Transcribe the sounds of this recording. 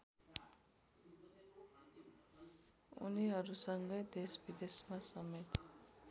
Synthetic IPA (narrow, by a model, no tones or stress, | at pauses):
ṵniɦʌɾusʌŋɡʌjd̪esbid̪esmasʌmet̪